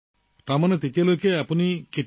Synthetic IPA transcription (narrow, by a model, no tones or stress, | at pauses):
t̪amɔnet̪it̪ialokeapɔnike